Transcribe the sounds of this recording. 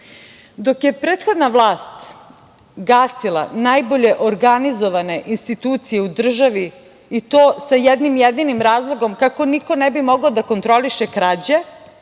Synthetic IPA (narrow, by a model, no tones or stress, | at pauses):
d̪o̞kjepɾeːt̪xo̞d̪naʋlˠaːst̪ | ɡaːsilˠa̰naːjbo̞ʎe̞ʔoɾɡanizo̞ʋane̞ʔinst̪it̪uːt̪sijeud̪r̩ʒaʋi | it̪oːsajɛd̪nimjed̪inimɾaːzlˠo̞ɡo̞mkako̞niko̞nebimo̞ɡaod̪ako̞nt̪ɾo̞liʃekɾaːd͡ʑe